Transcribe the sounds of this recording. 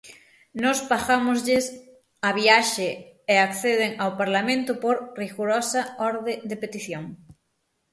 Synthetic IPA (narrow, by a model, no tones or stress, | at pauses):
nɔspaxamʊzʎɪs | aβiaʃeeakθeð̞eŋawpaɾlamẽnt̪ʊpoɾriɣuɾɔsɐɔɾðed̪epet̪iθjoŋ